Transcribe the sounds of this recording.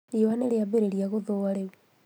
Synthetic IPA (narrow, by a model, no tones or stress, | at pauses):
ɾiwaneɾeabeɾeɾiaɣoðowaɾeɣ